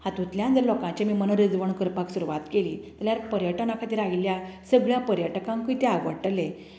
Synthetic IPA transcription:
hãt̪ut̪ljãnd͡zəɾlɔkãt͡ɕemiːmənəɾid͡zʋəɳkəɾpaksuɾuʋat̪keliːt̪əljaɾpəɾjəʈənakʰat̪iːɾailjasəɡɭjapəɾjəʈkãŋkuit̪eaʋəɽʈle

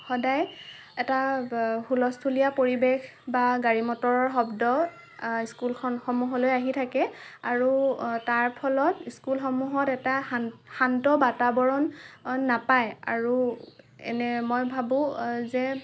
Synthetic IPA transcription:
xɔdaj | ɛtahulɔstʰulijapoɹibex | baɡaɹimɔtɔɹɔɹɦɔbdɔ | iskulkʰɔnxɔmuɦɔlojaɦitʰakɛaɹutaɹpʰɔlɔtiskulxɔmuɦɔtɛtaxantɔbatabɔɹɔnːapaja̰ɹu | ɛ̰nɛmɔjbʱabʊ̃zɛ

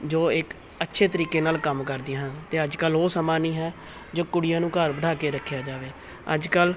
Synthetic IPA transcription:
d͡ʒoːɪk | ətːʃʰeːt̪əɾiːkeːnaːlkəmkəɾd̪ɪjãːɦə̃nt̪eːəd͡ʒkəlɦoːsəmaːniːɦɛː | d͡ʒoːkʊɽɪjãːnũːkəɾbəɽʱaːkeːɾəkʰjaːd͡ʒaːʋeː | ə̰d͡ʒkəl

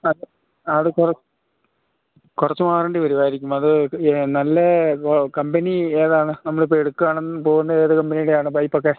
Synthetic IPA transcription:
ɐð | ɐðɨkurɐt͡ɕ | kurɐt͡ɕːumaːrɐːɳɖipɐɾiʋaːjiɾikʲːumɐðɨnɐlːɐkɐmbenieːðaːɳɨnɐmːɐɽepeɽukːaːɳenːpo̞ːɣunːɐeːðɨkɐmbenijuɽejaːɳɨbɐjpːɐkːe

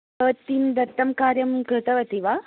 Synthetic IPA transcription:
ɐʋt̪ːiːnd̪ɐt̪ːɐmkaːɾjɐmkɾɨt̪ɐʋɐt̪iʋaː

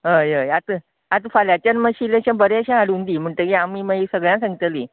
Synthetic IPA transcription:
ɦə̃jəjat̪ | at̪faljat͡ɕanməɕileɕãbəɾeəɕãaɽuːnd̪iːm̤əɳʈ̪əkiamiːməisəɡɭjãsãŋɡit̪əli

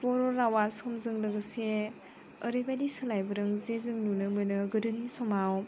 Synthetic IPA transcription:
pɔɾɔɾawasɔmzɯŋlɯɡɯse | əɾɯjbadisɯlajbɯɾɯŋzezɯŋnunɯmɯnɯɡɯdɯnisɔmaw

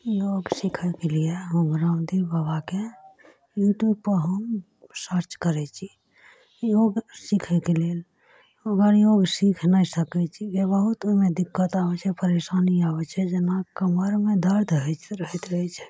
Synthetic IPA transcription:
joɡsikʰɛkelieɦomɾad̪ibabake | juʈjub̚pəɦəm | səɾt͡ʃkəɾɛt͡ʃʰi | joɡsikʰɛkelel | oɡəɾjoɡsikʰnajsəkɛt͡ʃʰid͡ʒebəɦut̪omed̪ikːət̪abɛt͡ʃʰɛpəɾesaniabɛt͡ʃʰɛd͡ʒenakəməɾmed̪əɾd̪ʱɦɛt͡ʃɾəɦɛt̪ɾəit͡ʃʰɛ̥

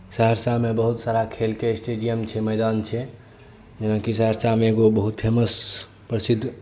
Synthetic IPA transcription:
səɦəɾsamebəɦut̪saɾakʰelkesʈeɖijəmt͡ʃʰɛməjd̪ant͡ʃʰɛ | d͡ʒenakisəɦəɾsamẽːɡobəɦut̪pʰeməs | pɾəsid̪ʱː

